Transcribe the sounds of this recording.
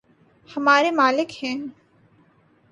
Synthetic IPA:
hɐmaːɾemaːlɪkhɛ̃ː

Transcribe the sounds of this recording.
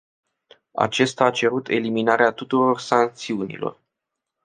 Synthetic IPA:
a̰t͡ʃe̞st̪aːt͡ʃe̞ɾut̪ʰe̞liminaɾeat̪ut̪uɾo̞rsaŋk̚t̪siunḭlo̞̰r

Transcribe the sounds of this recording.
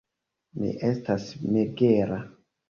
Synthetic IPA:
mḭʔe̞stasmeɡeɾa

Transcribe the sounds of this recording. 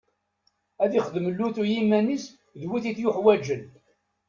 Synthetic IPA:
æðiχəðməlːuθujimːænis | ðwiθiθjʊħwæd͡ʒən

